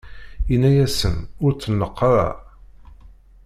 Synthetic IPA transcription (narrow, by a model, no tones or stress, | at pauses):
inːæjæsənʊɾt͡sːənːəqːɑɾˤæ̰